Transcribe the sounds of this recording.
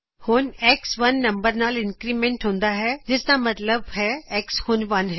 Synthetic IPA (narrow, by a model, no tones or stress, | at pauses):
hʊːneːksʋɐnːɐ̃mbəɾnaːlɪ̃nkɾiːmẽːɳʈɦõːnd̪aɦɛd͡ʒɪsd̪amɐt̪ləbɦɛeːkshʊnʋɐnɦɛ̃ː